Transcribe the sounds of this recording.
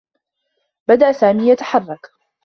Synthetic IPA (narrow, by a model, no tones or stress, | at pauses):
bad̪aʔsaːmiːjat̪ḁħɑrˤːɑk